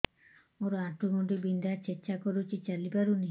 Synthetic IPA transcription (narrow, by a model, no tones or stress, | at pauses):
oɾɔaʈuɡɔɳʈibind̪at͡ʃet͡ʃakɔɾut͡ʃʰit͡ʃalipaɾuni